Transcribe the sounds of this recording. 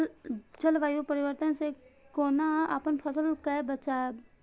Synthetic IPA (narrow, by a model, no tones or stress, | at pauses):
t͡ʃɐlʋaːjupəɾɪʋəɾt̪ənsekoːnaa̰pənpʰɐsəlkebɐt͡ʃaːa